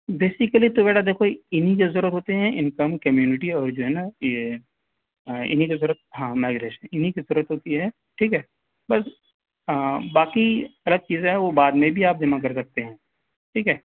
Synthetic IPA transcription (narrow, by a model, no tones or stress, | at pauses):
beːsɪkəlit̪obɛːʈʰad̪eːkʰoɪnɦik̬ezʊɾət̪ɦoːt̪eɦɛ̃ʔɪnkəmkɐmjuːnɪʈiɔːɾd͡ʒoːɦɛːnaje | ɪ̰nɦikezʊɾət̪̚ɦãːmaːɪɡɾeːʃənɪnikizʊɾət̪ɦoːt̪iɦɛː | ʈʰiːkɦɛː | bɐs | baːkiɐləɡ̚t͡ʃiːzɦɛʋobaːd̪mẽbʱiaːp̚d̪ɪmak̬ɐɾs̬ɐk̚t̪eɦɛ̃ː | ʈʰiːkɦɛː